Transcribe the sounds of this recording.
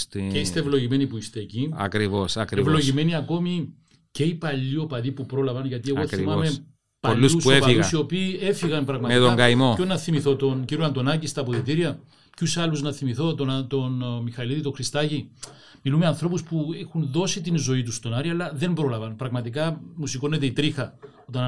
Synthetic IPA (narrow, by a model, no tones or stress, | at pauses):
st̪ceist̪evlo̞ʝime̞nipuist̪e̞ːciɐ̰kɾivosɐkɾevlo̞ʝime̞niɐko̞mi | ce̞ipɐʎːio̞pɐðipupɾo̞lɐvɐnʝɐt̪ie̞ɣo̞θimɐme | pɐʎːususuoepɐiɣuɐsio̞piːe̞fiɣɐnpɾɐɣmɐmet̪oɡɐimoonːɐθimiθo̞t̪o̞nciɾuɐnd̪o̞nɐcist̪ɐpoðit̪iɾiɐ | cusɐlːuznɐθimiθo̞t̪ont̪onmixɐliðit̪oxɾist̪ɐʝi | milumeɐnθɾo̞puspuexunðo̞sit̪inzo̞it̪ust̪o̞nɐɾiɐlːɐðe̞mbɾo̞lɐvɐnpɾɐɣmɐt̪ikɐmusiko̞nːet̪e̞it̪ɾixɐ | ot̪ɐn